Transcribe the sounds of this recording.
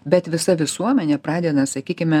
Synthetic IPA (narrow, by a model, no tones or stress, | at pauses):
bʲɛt̪ʋʲɪsɐʋʲɪsuɔmʲɛnʲɛpɾɑːd̪ʲɛd̪ɐsɐkʲiːkʲɪmʲɛ